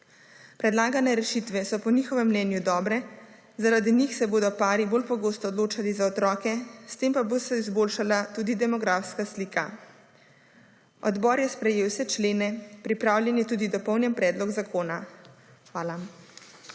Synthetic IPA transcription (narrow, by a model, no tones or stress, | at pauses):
pɾɛd̪laːɡanɛɾɛʃit̪ʋɛsɔpɔniːxɔʋɛmːnɛːnjud̪ɔːbɾɛ | zaɾad̪inixsɛboːd̪ɔpaːɾiboːlpɔɡoːst̪ɔːd̪loːt͡ʃalizaɔt̪ɾɔːkɛst̪empabost̪aizboːlʃalat̪uːd̪id̪ɛmɔɡɾafskasliːka | ɔd̪bɔːɾjɛspɾɛjeːwsɛt͡ʃleːnɛpɾipɾaːwljɛnjɛt̪uːd̪id̪ɔpɔwnjɛmpɾɛːd̪lɔɡzakoːna | xʋaːla